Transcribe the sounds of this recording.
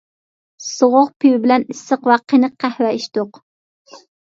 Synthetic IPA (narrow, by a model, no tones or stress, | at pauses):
soʁʊʁpʰywɪbɪlɛnisːəqwɑqʰːənɨqʰæhwɛiʃt̪ʊq